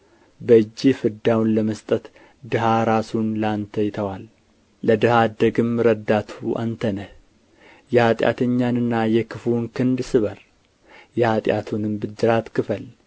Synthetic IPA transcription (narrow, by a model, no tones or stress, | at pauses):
bəɨd͡ʒːifɨd̪awnləməst̪ʼət̪ | d̪ɨɦaɾasunlant̪ʰəjt̪ʰəwal | ləd̪ɨhad̪əɡɨmɾəd̪ːat̪ʰua̰nt̪ʰənəh | jɛhat̪ʼja̰t̪ʰəɲːanɨnːajɛkʰɨfunkʰɨnd̪sɨβəɾ | jɛhat̪ʼja̰t̪ʰunɨmbɨd̪ɨɾat̪kɨfəl